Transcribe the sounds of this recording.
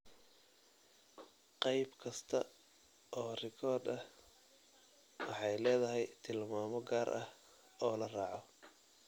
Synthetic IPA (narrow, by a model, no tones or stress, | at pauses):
qɑjbkʰɐst̪ʰɐ̰ | ʔɔːrɪkʰɔːrd̪ɐh | wɑħɑjlɛːðɐɦɛjt̪ʰɪlmaːmɔɡaːɾʔɐh | ɔːlɐraːʕɔ